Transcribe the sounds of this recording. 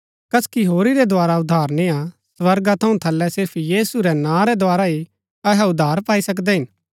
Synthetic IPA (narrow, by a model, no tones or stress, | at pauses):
kɐskiɦoːɾiɾɛd̪ʱaːɾaʊd̪ʱːaːɾnɪãsʋɐɾɡat̪ʰɐũt̪ʰɐlːɛsɪɾpʰjiːsuɾɛnãːɾɛd̪ʱoaːɾaɦi | ɐɦɛʊd̪ʱːaːɾpaːisɐk̬d̪ɛɦɪ̃n